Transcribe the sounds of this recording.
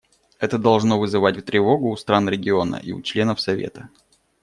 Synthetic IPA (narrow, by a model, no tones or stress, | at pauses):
ɛt̪əd̪ɐlˠʐno̞vɨzɨvat̚ʲft̪ɾʲɪvo̞ɡʊːst̪ɾanɾʲɪɡʲɪo̞nə̰ʔḭʊ̰t͡ɕlʲe̞nəfsɐvʲḛt̪ə